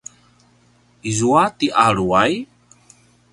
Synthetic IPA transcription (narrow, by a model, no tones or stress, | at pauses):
izuat̪iʔaɾuaj